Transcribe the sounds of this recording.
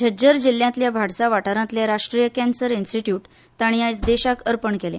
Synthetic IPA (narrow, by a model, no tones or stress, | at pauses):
d͡ʑʱəd͡ʑəɾd͡ʑil̤ːjãnt̪ljabʱaɽsaʋaʈaɾãnt̪ljaɾaʂʈɾijəkɛ̃nsəɾinsʈiʈjuːʈ | t̪aɽ̃iajt͡sd̪eɕakəɾpəɳkelḛ